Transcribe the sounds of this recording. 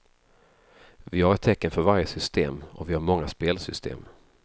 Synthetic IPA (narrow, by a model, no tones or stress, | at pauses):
vɪhaɾɛt̪ʰːɛkːənfœɾvaɾjəsʏst̪eːmɔ̰vɪhaɾmɔŋːaspeːlsʏst̪ʰḛːm